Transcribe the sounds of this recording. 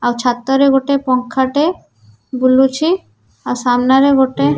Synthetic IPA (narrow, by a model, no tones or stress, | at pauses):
awt͡ɕʰat̪ːoɾeɡʱoʈepɔŋkʰːaʈe | bulut͡ɕʰi | awsamnaɾeɡʱoʈe